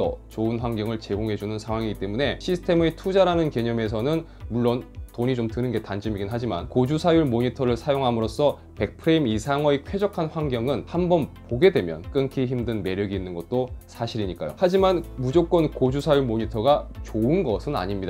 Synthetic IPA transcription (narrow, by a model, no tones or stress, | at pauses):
ʌ̰t͡ɕoɯnɸwaŋɡjʌŋɯɭt͡ɕe̞ɡoŋɦe̞d͡ʑunɯnsʰaŋwaŋiɡit͈e̞mune̞ɕʰisʰɯ̥tʰe̞metʰud͡ʑaɾanɯnke̞ɲʌme̞s̬ʰʌnɯn | muɭːontoɲit͡ɕomtɯnɯnɡe̞tand͡ʑimiɡinɦad͡ʑima̰nkod͡ʑusʰajuɭmoɲitʰʌɾɯɭsʰajoŋɦamɯɾos͈ʌ | pe̞k̚pʰɯɾeimisʰaŋwʌikʰwe̞d͡ʑʌkʰanɸwaŋɡjʌŋɯnhambʌnpoɡe̞dwe̞mjʌ̰nk͈ɯnkʰiçimdɯnme̞ɾjʌɡiːnːɯnɡʌt̚t͈osʰaɕʰiɾiɲik͈a̰jo̰had͡ʑimanmud͡ʑok͈ʌnkod͡ʑusʰajuɭmoɲitʰʌɡat͡ɕoɯnɡʌsʰɯna̰ɲimɲida